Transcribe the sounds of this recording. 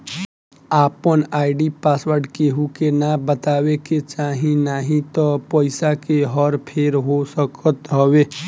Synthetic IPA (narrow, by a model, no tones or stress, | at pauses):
aːpənaːɪɖipaːswəɾɖkeɦukenabət̪aːweket͡ʃaːɦĩnaːɦĩt̪ɔpəɪsakeɦɔɾpʰeːɾɦosəkət̪ɦəwe